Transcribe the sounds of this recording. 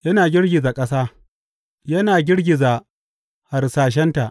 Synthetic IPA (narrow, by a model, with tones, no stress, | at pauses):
jɐ˦naː˨ɡʲɪ˦ɽɡʲɪ˨zaː˨kʼɐ˦saː˦ | jɐ˦naː˨ɡʲɪ˦ɽɡʲɪ˨za˨ | ha˨rsaː˨ʃ̬ɛ˦nta˨ʔ